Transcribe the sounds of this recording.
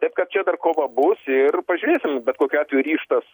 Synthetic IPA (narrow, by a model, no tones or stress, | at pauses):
t̪ɐɪp̚kɐt̪̚t͡ʃʲɛd̪ɐrkoːʋɐbʊsɪrpɐʒʲʊːɾʲeːsʲɪmbʲɛt̪koːkʲɑːt̪ʲʋʲɛjʊɾʲiːʃt̪ɐs